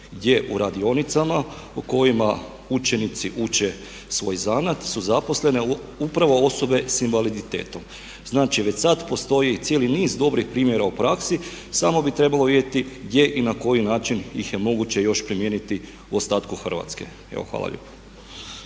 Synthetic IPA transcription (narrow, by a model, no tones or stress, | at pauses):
ɡd̪je̞ʔuɾad̪io̞nit̪sama | uko̞jima | ut͡ʃe̞nit̪siʔut͡ʃe̞ | sʋo̞ːjzanat̪suzapo̞sle̞ne | upɾaʋo̞o̞so̞be̞sinʋalid̪it̪e̞̰ːt̪o̞m | znaːt͡ʃiʋet͡ɕsat̪po̞st̪o̞jit̪jeliniːzd̪o̞bɾixpɾiːmje̞ɾaupɾaksi | samo̞bit̪ɾe̞balˠo̞ʋid̪jet̪iɡd̪je̞ʔinako̞jinaːt͡ʃinjḭxje̞mo̞ɡut͡ɕe̞jo̞ʃpɾimjenit̪i | uost̪aːt̪kuxr̩ʋa̰t̪skḛ | ḛʋo̰xʋa̰ːlˠa̰ʎḛpo̥